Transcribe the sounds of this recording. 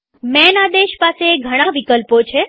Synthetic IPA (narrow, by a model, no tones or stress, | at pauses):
mɛnad̪eʃpaseɡʱəɽ̃ãʋikəlpot͡ʃʰe